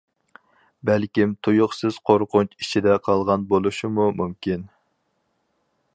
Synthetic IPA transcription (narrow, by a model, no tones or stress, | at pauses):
bælkʲimt̪ʰujʊχsɨz̥qʰoɾqʊnt͡ʃit͡ʃʰid̪ɛqʰɑlˠʁɑnbolˠuʃimumumkʲin